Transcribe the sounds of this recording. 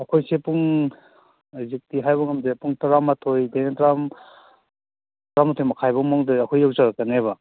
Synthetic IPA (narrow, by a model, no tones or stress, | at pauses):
ɐkʰojsepuŋ | zik̚tiɦajbɐŋɐmzepuŋtaɾamatʰojdenetaɾam | tɾamatʰojmaɐkʰajbɐmɔŋdɯɐkʰojawzaɾakːɐnebɐ